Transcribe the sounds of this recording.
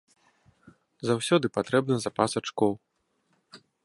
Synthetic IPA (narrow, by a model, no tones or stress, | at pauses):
zawsʲɔd̪ɨpat̪ɾɛb̚nɐzapasat͡ʂkɔw